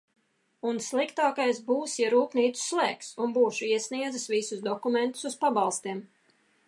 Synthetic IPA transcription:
unslˠikt̪aːkajsbuːsjaɾuːpniːt̪su̥slˠɛːksunbuːʃuiɛsniɛd̪zɨsvisusd̪ɔkument̪u̥suspabɑlˠst̪iɛm

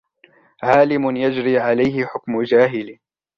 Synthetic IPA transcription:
ʕaːlɪmʊnjad͡ʒɾiːʕalajɦɪħʊkmʊd͡ʒaːɦɪl

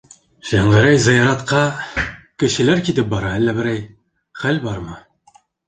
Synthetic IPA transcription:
ʃæɴʁæɾæjzɪjɑɾɑt̪qʰɑkʲɘ̆ʃilæɾkʲit̪ɪp̚bɑɾɑælːæbɘɾæj | χælbɑɾmɤ

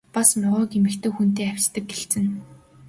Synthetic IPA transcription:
pasmʊʁɔːkemɘ̆kt̪ʰɘ̆ːxun̥t̪eːæw̥ʲt͡ɕt̪ə̆k̚ɡeɬt͡sɘ̆n

